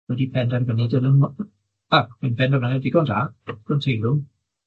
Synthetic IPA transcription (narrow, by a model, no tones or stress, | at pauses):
wɛdipʰɛndarɡənɪdəɾən | akmɪnpʰɛndavanɛdɪɡɔndaɡ̥ɔntʰejlʊm